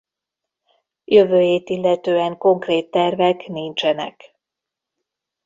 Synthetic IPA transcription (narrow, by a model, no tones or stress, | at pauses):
jø̞vøːjeːt̪ilːɛt̪øːɛŋko̞ŋkreːt̪ːɛrvɛknint͡ʃɛnɛ̰k